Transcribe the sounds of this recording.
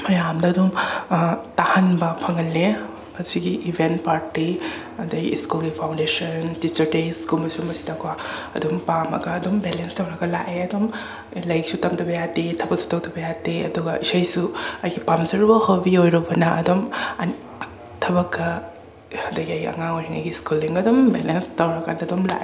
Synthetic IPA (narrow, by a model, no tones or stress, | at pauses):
mɐjamdɐːdum | tahanbɐpʰɐŋɐlːe | ɐsiɡiʔibʱentpaɾti | ɐdɐɡḭːskulɡipʰawndesɐntit͡ʃɐɾtesɡumɐsumɐsi̥dakʰwaɐ̰dumpamɐ̰ɡɐːdombelenstɐwɾɐɡɐla̰ʔeɐdom | lajksutamtʰɐbɐjatetʰɐbɐksu̥tɐwtʰɐbɐjateɐ̰duɡɐisajsuɐjɡipamsɐɾbɐhobiojɾɐbɐnɐʔɐdɔm | tʰɐbɐkʰːɐ | ɐdɐɡiɐjɐ̰ŋaŋojɾiŋa̰jɡiskuliŋɐdɔmbelenstɐwɾɐkanɐdɔmla̰ʔe